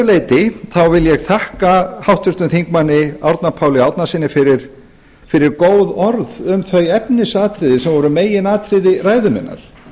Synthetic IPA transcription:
leːjt̪ɪθawvɪljɛɣθʰahkahawht̪ʏst̪ʏmθiŋkmanːɪawɾt̪napʰaːwlɪawt̪nasɪnːɪfɪɾɪɾ̥ | fɪɾɪɾkoːwðɔɾðʏmθœɥɛpnɪsaːt̪ʰɾɪðɪsɛmvɔɾʏmeːjɪnaːt̪ʰɾɪðɪraːjðʏmɪ̰nːa̰ɾ̥

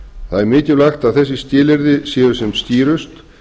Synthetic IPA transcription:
θaðɛɾmɪːcɪlaxt̪aðθɛs̬ːɪst̪ɪːlɪɾðɪsjɛːðʏsɛmst̪iːɾʏst̪

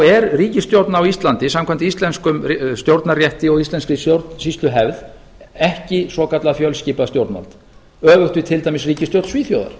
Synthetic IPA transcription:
ɛɾriːcɪst̪jowɾt̪naːwist̪lant̪ɪsamkʰam̥t̪ɪist̪lɛnskʏmst̪jowɾt̪narjɛht̪ɪɔɣist̪lɛnskɾisjowɾt̪nsist̪lʏɦɛvð | ɛhcɪsɔkat̪laðfjœlsciːpast̪jowɾt̪na̰lt̪ | œːvʏxt̪ɪt̪ʰɪlt̪ajmɪsriːcɪst̪jowɾt̪sviːθjowða̰ɾ̥

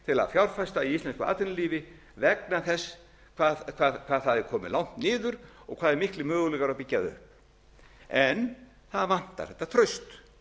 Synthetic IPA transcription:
t̪ʰɪla̰ðfjawɾfajst̪aiist̪lɛnskʏa̰ːt̪ʏnɪliːvɪ | vɛknaθɛsː | kʰvaːkʰvaːðkʰvaːðθaðɪkʰɔːmɪ̰lawn̥t̪nɪːðʏɾ̥ɔ̰ɣkʰvaːðɛɾmɪhklɪmœːɣʏlɛːɣaɾapicːaðʏ̰hp̚ | ɛn | θaðvan̥t̪a̰ɾ̥θɛht̪ːat̪ʰɾœɥst̪

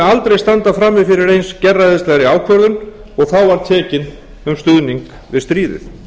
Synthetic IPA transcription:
alt̪ɾejst̪ant̪afɾamːɪfɪɾɪɾejnscɛrːaɪðst̪ɛɣɾɪaːwkʰvœɾðʏn | ɔɣθawvaɾ̥t̪ʰɛːcɪn | ʏmst̪ʏðniŋk | vɪðst̪ɾiːðɪ̰θ

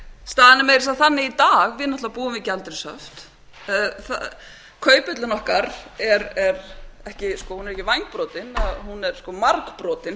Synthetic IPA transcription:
st̪aːðɪnɪmejɾɪs̬aðθanːɪit̪aːɣvɪðnaht̪avapuːɪmvɪcalt̪ɪɾɪsœ̰ft̪ | θa̰ | kʰœːɥpʏt̪lɪnɔhkaɾɛɾɛɾɛhcɪskɔhunɛɾɛhcɪvajŋk̚pɾɔːt̪ɪnaðhunːɛɾ̥skɔmaɾkpɾɔːt̪ɪn

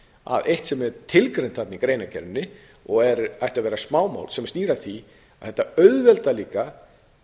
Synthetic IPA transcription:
a̰ðejht̪sɛmɛɾt̪ʰɪlkɾejnt̪θat̪nɪkɾeːjnacʰɛ̰ɾmnːɪ | ɔɣɛɾajht̪avɛːɾasmaːwma̰wlsɛmst̪iːɾaθi | aðθɛht̪ːaœɥðvɛlt̪aliːka

